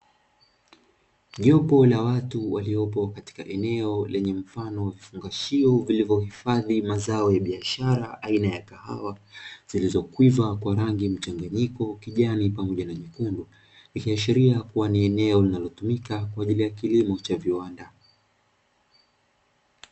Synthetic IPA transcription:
ʄɔpɔlawatuwaliɔpɔkati̥kaʔɛnɛɔlʔɛɲɛm̩fanɔwavifuŋɡaʃiɔvilivjɔhifaðimazaɔjaɓiaʃaɾaʔainajakaha̰waz̥ilizɔkwivakwaɾaŋɡim̩t͡ʃaŋɡaɲikɔkiʄanipamɔʄanamikundu | likiaʃiɾiakuwaniɛnɛɔlinalɔtumikakwaːʄilijakilimɔt͡ʃaviwanda

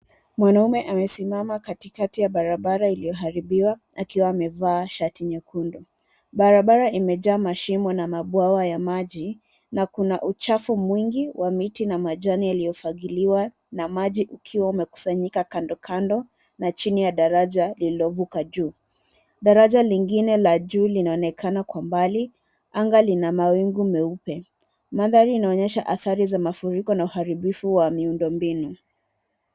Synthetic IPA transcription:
mwanaumɛʔamɛsimamakatikatijaɓaɾaɓaɾailijɔɦaɾiɓiwa | akiwaːmɛvaːʃatiɲakʰundu | ɓaɾaɓaɾaimɛʄaːmaʃimɔnamaɓwawajamaʄi | nakunaʔut͡ʃafumwiŋɡiwʔamitinamaʄanialijɔfaɠiliwa | namaʄiʔukʰiwaumɛku̥saɲikakandɔkʰandɔ | nat͡ʃinijaɗaɾaʄaliliɔvukaʄuː | ɗaɾaʄaliŋɡinɛlaʄuːlinaɔnɛkʰanakwambali | aŋɡalinamawiŋɡumɛupɛ | maðaɾiːnaɔɲɛʃaʔaθaɾizamafuɾikɔnauhaɾiɓifuwamiundɔmbinu

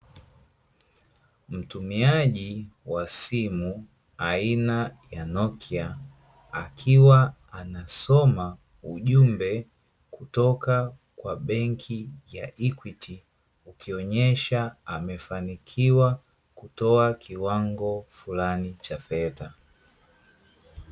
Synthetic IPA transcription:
m̩tumiaʄiwasimu | ainajanɔkʰia | a̰kʰiwaː | nasɔma | uʄumbɛ | kutɔka | kwaɓɛŋkʰijaʔikwiti | ukiɔɲɛʃaamɛfanikʰiwa | kutɔakʰiwaŋɡɔfulanit͡ʃafɛta

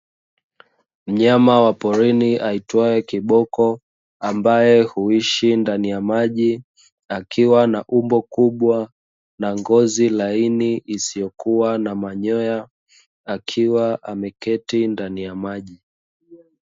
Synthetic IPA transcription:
m̩ɲamawapɔɾiniʔaitwaɛkiɓɔkɔ | ambajɛhuiʃindanijamaʄi | akʰiwanaʔumbɔkuɓwa | naŋɡɔzilainiʔːsijɔkuwanamaɲɔja | akʰiwaʔamɛkɛtindanijamaʄi

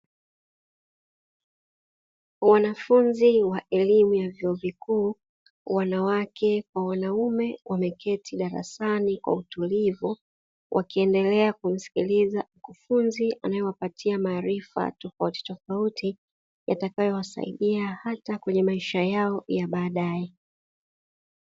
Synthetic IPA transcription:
wanafunziwaʔɛlimujavjɔɔvikuː | wanawakʰɛkwawanaumɛwʔamɛkʰɛtʰiɗaɾa̰sanikwa̰utulivu | wʔa̰kiɛndɛlɛakum̩si̥kilizam̩kufunziʔa̰najɔwapatʰiamaːɾifa̰tɔfauti̥tɔfautʰi | ja̰takajɔwasa̰ḭɗiahatakwɛɲɛmaiʃajaɔjaɓaːɗaɛ

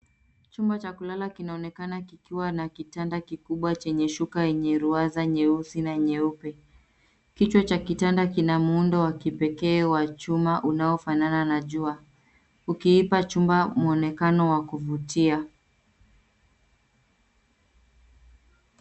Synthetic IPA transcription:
t͡ʃumbat͡ʃakulalakinaɔnɛkanakikiwanakitandakikuɓwat͡ʃɛɲɛʃukajɛɲɛɾuazaɲɛusinaɲɛupɛ | kit͡ʃwat͡ʃakitandakinamuundɔwakipɛkɛːwat͡ʃumaʔunaɔfanananaʄua | ukiipat͡ʃumbamuɔnɛkanɔwakuvutia

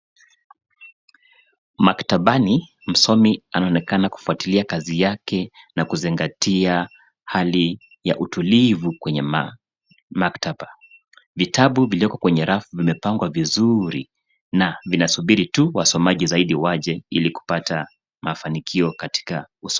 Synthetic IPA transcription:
maktaɓani | m̩sɔmianaɔnɛkanaku̥fuatiliakazijakɛ | nakuziŋɡatia | hali | ja̰ʔutulivukwɛɲɛ | maktaɓa | vitʰaɓuviliɔkɔkwɛɲɛɾafuvimɛpaŋɡwavizuɾḭ | navinasuɓiɾituwasɔmaʄizaiɗiwaʄɛiliku̥pata | mafanikʰiɔkati̥kaus

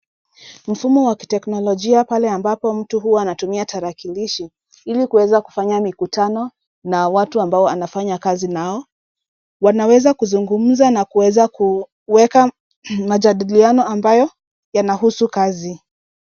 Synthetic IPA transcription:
m̩fumɔwaki̥tɛknɔlɔʄiapalɛambapɔm̩tuɦuanatumiataɾakiliʃi | ilikuwɛzaku̥faɲamikutanɔ | nawatuambaɔanafaɲakazinaɔ | wanawɛzakuzuŋɡum̩zanakuwɛzaku | wɛka | mad͡ʒaɗilianɔambajɔ | janaɦusukazi

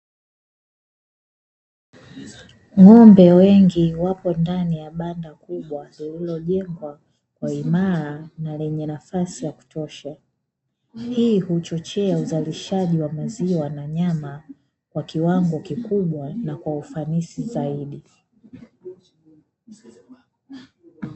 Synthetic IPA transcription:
ŋɔmbɛwɛŋɡiwapɔndanijaɓandakuɓwalililɔʄɛŋɡwa | kwaimaɾanalɛɲɛnafasijaku̥tɔʃa | hiːhut͡ʃɔt͡ʃɛauzaliʃaʄiwamaziwanaɲama | kwakiwaŋɡɔkikuɓwanakwaufanisizaiɗi

